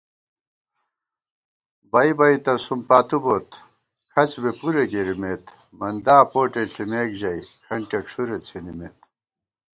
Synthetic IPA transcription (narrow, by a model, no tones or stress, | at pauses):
bɐibɐit̪ɐsumpaːt̪ubot̪ | kʰɐt͡ɕbepuɾeɡeɾimeːt̪ | mɐnd̪aːpoːʈeɬimeːkʑɐikʰɐɳʈeʈ͡ʂʰuɾet͡sʰenimet̪